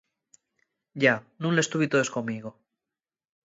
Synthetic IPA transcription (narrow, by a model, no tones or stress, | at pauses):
ɟ͡ʝanũŋle̞st̪uβit̪oðe̞sko̞mːiɣo